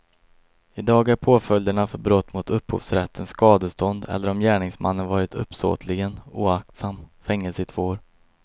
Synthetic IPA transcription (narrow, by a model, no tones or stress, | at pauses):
ɪd̪ɑːɡæɾpʰoːfœld̪əɳafœɾbɾɔt̪ːmʊt̪ʰɵphṵːvsɾɛt̪ʰːənskɑːd̪əst̪ɔnd̪ɛ̰lːəɾɔmjæːɳɪŋsmʔa̰nːənvɑːɾɪt̪ʰɵ̰pːso̰ːt̪ʰlɪɡənuːak̚t̪samfɛŋːəlsət̪ʰvoːɾ